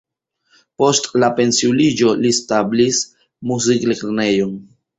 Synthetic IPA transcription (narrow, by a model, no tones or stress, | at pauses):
po̞stlape̞nsiulid͡ʒo̞listablis | muziklekɾne̞jo̞n